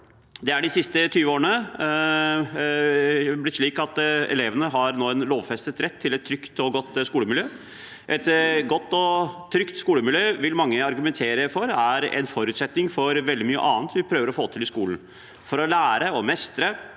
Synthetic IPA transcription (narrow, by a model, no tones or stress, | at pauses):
d̪ɛæɖɪsɪst̪ət̪ʰyːʋəoːɾnə | blɪt̪ʂɭiːkɑt̪ɛ̰leːʋənəɦɑɾnoːɛnloːʋfɛst̪ət̪ɾɛt̪ʰːɪlɛt̪ʰːɾʏkt̪ɔɡɔt̪ːskuːləmɪljøː | ʔɛt̪ɡɔt̪ːɔt̪ʰɾʏkt̪skuːləmɪljøːʋɪlmɑŋːəɑɾɡʉmɛnt̪ʰeːɾəfɔɾæɾɛ̰nfɔɾʉːt̪sɛt̪nɪŋfɔɾʋɛld̪ɪmyːə̰ʔɑːnt̪ʋɪpʰɾøːʋəɾɔfoːt̪ʰɪlɪskuːln̩ | fɔɾɔlæːɾəɔmɛst̪ɾə